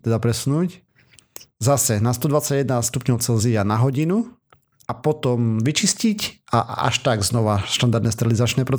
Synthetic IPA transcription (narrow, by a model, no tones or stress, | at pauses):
t̪ɛd̪apɾɛsunuːc | zasɛnast̪ɔd̪ʋat͡saɟɛd̪nast̪upɲɔʊt͡sɛlzianaɦɔɟinu | apɔt̪ɔmʋit͡ʃiscicaʔa̰ʃt̪aɡznɔʋaʃt̪and̪aɾd̪ɛst̪ɾɛlizat͡ʃnɛːpɾɔt͡s